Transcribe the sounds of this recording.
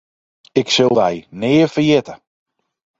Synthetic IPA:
ɪksølˠdɛjnɪːəfəjɪtə

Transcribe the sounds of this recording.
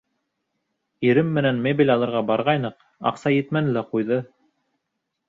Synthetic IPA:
iɾɘmːɘ̆nænmebʲilʲɑlˠɤ̆ɾʁɑbɑɾʁɑjnɤq | ɑ̰qsɑjɘ̆t̪mænɘlæqujðɤ

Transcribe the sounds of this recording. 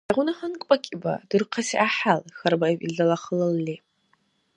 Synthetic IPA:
daʁʷʊnɨħənkʷʼakʲʼiba̰dɨrqʰasiʔaħalxarbaiwʔḭɮalaχəlɨlːi

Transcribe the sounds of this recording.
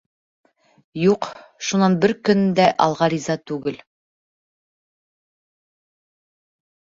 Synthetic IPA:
juqʃunɑnbɘɾkɵ̆nɘd̪æʔɑ̰lˠʁɑɾʲizɑt̪ʉɡɘl

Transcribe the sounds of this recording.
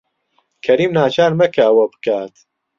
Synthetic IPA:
kʰɐɾiːmnaːt͡ʃʰaːɾmɐkʰɐɐwɐbɨ̥kaːt̪

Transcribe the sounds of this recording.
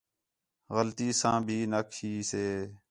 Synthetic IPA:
ɣəlt̪iːsãːbʱiːnəkʰiːseː

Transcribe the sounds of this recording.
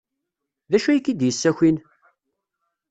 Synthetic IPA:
ðæʃæjikːid̪jəsːæçin

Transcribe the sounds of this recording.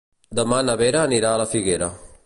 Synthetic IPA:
d̪ɐmanɐβeɾaniɾaːlɐfiɡeɾa

